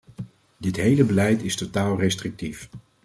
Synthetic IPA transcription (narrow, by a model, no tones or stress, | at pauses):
dɪtɦejləbəlɛjtɪstotaːlˠrɛstrɪk̚tif